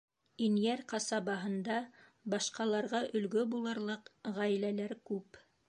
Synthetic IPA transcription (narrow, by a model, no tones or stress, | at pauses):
injæɾqɑsɑbɑɦɤ̆nd̪ɑbɑʃqɑlˠɑɾʁɑʔɵ̆lɡɵbulˠɤ̆ɾlˠɤqʁæjlælæɾkʉp